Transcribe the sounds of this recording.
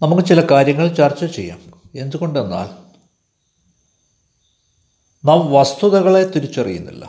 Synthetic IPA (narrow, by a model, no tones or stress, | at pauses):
nɐmukːɨt͡ɕilɐkaːɾjɐŋːɐɭt͡ɕɐrt͡ɕːɐt͡ɕe̞̰jːa̰ːm | e̞nd̪uɣo̞ɳɖenːa̰ːl | nɐmʋɐst̪uðɐɣɐɭe̞t̪iɾit͡ɕːɐrijṵnːḭlːɐ̰